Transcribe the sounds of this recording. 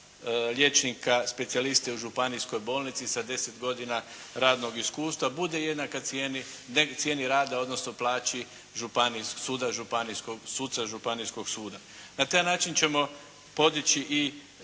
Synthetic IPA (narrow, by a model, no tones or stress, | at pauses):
lje̞t͡ʃnikaspe̞t̪sialist̪e̞uʒupanisko̞jbo̞ːlnit̪sisad̪e̞set̪ɡo̞d̪ina | ɾaːd̪no̞ɡiskuːst̪ʋabud̪e̞je̞d̪nakaeninet̪sjeniɾaːd̪ao̞d̪no̞snoplˠaːt͡ʃi | ʒupanissuːd̪aʒupaniskoɡsuːt̪saʒupanisko̞ɡ̥suːd̪a | nat̪ajnaːt͡ʃint͡ʃe̞mo̞ | po̞d̪it͡ɕiʔi